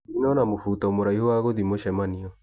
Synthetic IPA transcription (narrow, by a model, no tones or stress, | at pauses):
inɔnamofutaomoɾaihowaɣoðimoʃɛmaniɔ